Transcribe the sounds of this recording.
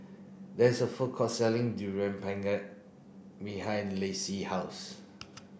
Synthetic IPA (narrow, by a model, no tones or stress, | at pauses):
dɛɪsəfukʰɔsɛlĩŋdjuɹɛ̃mpʰɛ̃ŋɡat̚ | biɦãj̃nlesihaʊs